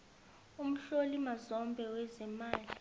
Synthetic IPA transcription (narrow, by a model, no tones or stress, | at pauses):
um̩ɬolimazɔmbʱɛwɛzɛmaːli